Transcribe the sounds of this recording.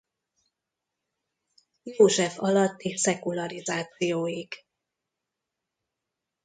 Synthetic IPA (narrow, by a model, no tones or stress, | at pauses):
joːʒɛfɒlɒt̪ːisɛkulɒɾizaːt̪sijoːjiɡ̥